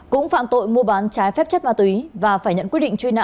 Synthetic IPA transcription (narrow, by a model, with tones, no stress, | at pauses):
kʊ̰˧˥ŋ͡mfa̰ː˧˨nt̪o̰˧˨jmu˧əɓaː˨˦nt͡ɕaː˨˦jfɛ˦˥p̚t͡ɕə˦˥p̚maː˧t̪wi˨˦vaː˨˩faː˧˩jɲə̰˧˨nkwət̚ɗḭ˧˨ŋt͡ɕwi˧na̰ː˧˨